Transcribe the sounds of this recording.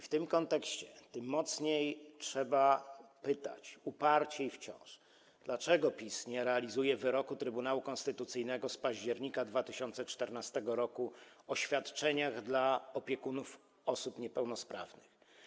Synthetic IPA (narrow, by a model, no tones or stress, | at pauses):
ft̪ɘmkɔnt̪ɛkɕt͡ɕɛt̪ɘmːɔt̪sɲejtʂɛbapɘt̪a̰t͡ɕupaɾt͡ɕɛift͡ɕɔ̰̃w̃ʂ | d̪̥lat͡ʂɛɡɔpʲisɲɛɾɛalʲizujɛvɘɾɔkut̪ɾɘbunawukɔnst̪ɘt̪ut̪sɘjnɛɡɔspaʑd͡ʑɛɾɲikad̪vat̪ɘɕɔnt̪sɛt͡ʂt̪ɛɾnast̪ɛɡɔɾɔkuɔɕfʲjat̪t͡ʂɛɲaɣd̪laɔpʲjɛkunuf | ɔsupɲɛpɛwnɔspɾa̰vnɘx